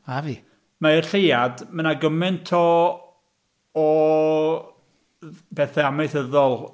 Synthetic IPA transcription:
avi | maɪrɬejadmənaɡəmɪntʰɔ | b̥ɛθɛamɛɨθəðɔlˠ

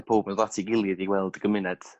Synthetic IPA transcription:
pʰoːbənðatʰiɡɪlˠjəðiwɛlˠd̥ɡ̥əmɪnɛd̥

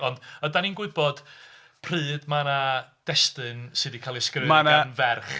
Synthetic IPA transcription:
ɔndədaninɡwɪðbɔd̥ | pʰrɨːdmanad̥ɛstɨnsɨdikʰalˠiskrɪmananvɛrχ

